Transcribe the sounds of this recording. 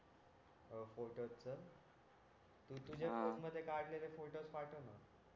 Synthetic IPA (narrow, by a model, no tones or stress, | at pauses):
əfoʈott͡sə | t̪ut̪ud͡ʑʱaposməd̪ʱːekaʈlelefoʈot͡sʋaʈona